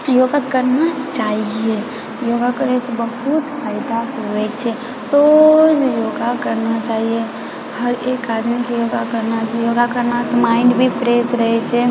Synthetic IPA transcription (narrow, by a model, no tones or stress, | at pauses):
joɡakəɾnat͡ʃaːɦie | joɡakəɾɛt͡ʃʰɛbəɦut̪pʰaːɪd̪aɦoɛt͡ʃʰɛ | pɾod͡ʒjoɡakəɾnat͡ʃaːɦie | həɾekad̪mikijoɡakəɾnat͡ʃʰaɦjoɡakəɾnat͡ʃʰɛmaɪɳɖbʱipʰɾesɾəɦɛt͡ʃʰɛ